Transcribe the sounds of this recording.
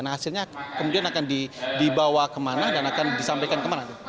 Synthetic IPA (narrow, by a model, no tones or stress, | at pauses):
naasɪlɲakəmudianakandidibawakəmanadanakandisampajkankəmanat̪u